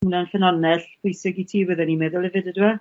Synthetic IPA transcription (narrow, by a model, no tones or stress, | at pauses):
unanɬənanɛɬpʰʊjsɪɡitʰiːwɛðɛnimɛːðɔlˠɛvɨdədɪwɛ